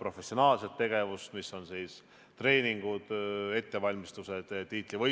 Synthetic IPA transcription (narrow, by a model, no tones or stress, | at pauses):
pro̞fe̞sio̞nɑːlse̞t̪ːe̞ɡ̥e̞vust̪misːo̞nsiːs | t̪re̞ːnʲiŋɡ̥ud̪̥e̞t̪ːe̞vɑlʲmist̪use̞d̪̥ːiːt̪ˑlivɤ